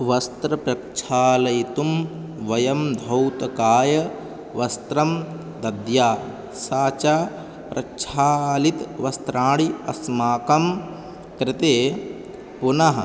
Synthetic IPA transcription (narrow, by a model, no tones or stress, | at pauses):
ʋɐst̪ɾɐpɾɐkʃʰaːlɐjt̪um | ʋɐjɐmd̪ʱɐwt̪ɐkaːjɐ | ʋɐst̪ɾɐm | d̪ɐd̪jaː | saːt͡ʃaː | pɾʔɐkʃʰaːlit̪ʋɐst̪ɾaːɽiɐ̰smaːkɐm | kɾɪt̪eː | punɐɦɐ̰